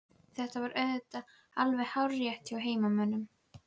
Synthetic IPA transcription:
θɛht̪avaɾʔœɥðʏt̪a | alvɛhawɾːjɛht̪ɪawɦeːjmamœnːʏm

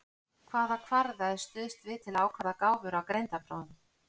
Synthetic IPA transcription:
kʰvaːðakʰvaɾðaðst̪ʏːðst̪vɪðt̪ʰɪlaːwkʰaðakaːwvʏɾawkɾejnt̪apɾowðɪn

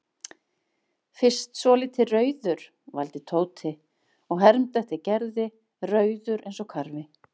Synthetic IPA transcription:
fɪr̥st̪svɔːlɪt̪ʰɪrœːɥðʏɾ̥ | va̰lt̪ɪt̪ʰoːwt̪ʰɪ | ɔɣɦɛɾmt̪ɛht̪ɪcɛɾðɪ | rœːɥðʏɾʔejnsɔkʰaɾvɪ

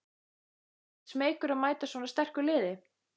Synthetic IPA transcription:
smeːjkʏɾaðmaːjt̪aswɔnast̪ɛr̥kʏlɪːðɪ

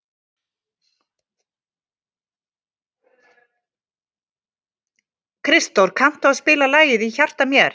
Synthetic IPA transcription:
kʰɾɪst̪owɾkʰam̥t̪ʏaðspɪːlalaːjɪðiçar̥t̪amjɛɾ̥

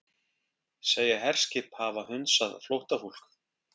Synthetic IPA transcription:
seːjaɦɛr̥scɪphavahʏnsaðflowht̪aful̥k

